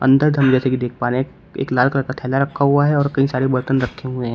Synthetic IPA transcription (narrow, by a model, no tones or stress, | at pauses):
ɐ̰̃nd̪əɾd̪ʱɐmd͡ʒɛːsekid̪eːk̚ʰpaːɾe | ḛːklaːlkɾəkat̪ʰɛːlaɾɐkʰːaɦuaɦɛɔːɾkɐɦĩsaːɾebɐɾt̪ənɾɐkʰːeɦʊeɦɛ̃ː